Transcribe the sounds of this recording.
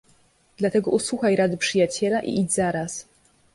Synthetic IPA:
d̪̥lat̪ɛɡɔʔuswuxajɾad̪ɘpʂɘjat͡ɕɛlaʔḭʔid͡ʑzaɾas

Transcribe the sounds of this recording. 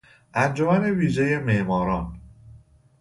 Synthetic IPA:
ʔænd͡ʒomæne̞viːʒeje̞meʔmɒːɾɒːn

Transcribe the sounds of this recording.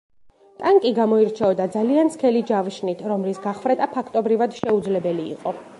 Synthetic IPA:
t̪ʼaŋkʼiɡamɔiɾt͡ʃʰɛɔd̪ad̪zaliant̪skʰɛlid͡ʒavʃnit̪ʰɾɔmlisɡaχvɾɛt̪ʼapʰakʰt̪ʼɔbɾivad̪̥ʃɛud̪zlɛbɛlḭːqʼɔ

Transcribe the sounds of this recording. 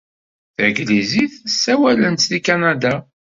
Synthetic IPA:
θæɡliziθsːæwælənt̪θikanad̪a

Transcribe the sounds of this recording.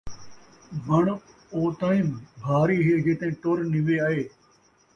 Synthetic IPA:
bʱəɳ | oːt̪aːĩːbʱaːɾiːɦeːd͡ʒeːt̪ẽːʈoːɾnɪʋeːaːɦeː

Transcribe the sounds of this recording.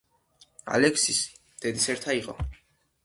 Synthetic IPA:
a̰lɛksis | d̪̥ɛd̪isɛɾt̪ʰaiqʼɔ̰

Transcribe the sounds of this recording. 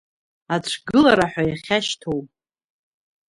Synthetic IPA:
at͡ɕʷʰɡɨlaɾaħʷajaχʲaʃtʰowpʼ

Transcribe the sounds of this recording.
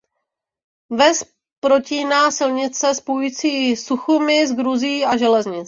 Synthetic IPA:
vɛs | pɾo̞ciːnaːsɪlɲɪt͡sɛspojuiːt͡siːsuxumɪzɡɾuzijiːaʒɛlɛzɲɪt͡s

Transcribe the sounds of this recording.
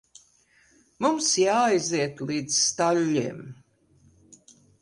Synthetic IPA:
mumsjaːjziɛt̪lˠiːd̪zst̪alʲːiɛm

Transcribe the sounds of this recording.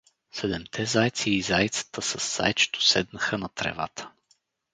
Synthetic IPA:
sɛd̪ɛmt̪ʰɛzajt̪siːzajt̪sə̥t̪əsəsːa̰jt͡ʃɛ̥t̪ʊ̥sɛd̪nəxənɐt̪ɾɛ̰va̰t̪ʰə̥

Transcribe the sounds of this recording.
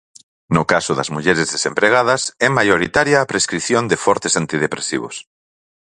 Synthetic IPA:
nʊkasʊðɐ̰zmuʎɛɾezðesempɾeɣ̞að̞ɐsɛmajoɾit̪aɾjaːpɾeskɾiθjond̪efɔɾt̪esant̪ið̞epɾesḭβ̞o̰s

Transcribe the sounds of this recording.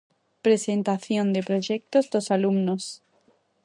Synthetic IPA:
pɾesent̪aθjõnd̪epɾoʒek̚t̪ozðosalumnos

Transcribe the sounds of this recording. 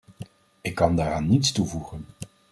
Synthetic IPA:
ɪkːɑndaːɾaːnːitstuvuχən

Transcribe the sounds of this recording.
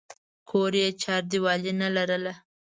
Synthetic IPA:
kʰoɾjet͡ʃɑɾd̪iwɑlinalaɾəla

